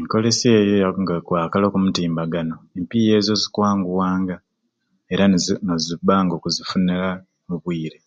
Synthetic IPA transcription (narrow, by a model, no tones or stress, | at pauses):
eŋko̞le̞se̞ːjojaŋɡakwaːkalo̞ːkumutiːmbaɡano̞empije̞ːzo̞zikwaːŋɡuwaːŋɡa | e̞ɾanozibaːŋɡo̞ːkuzifunela | muβwiːɾe̞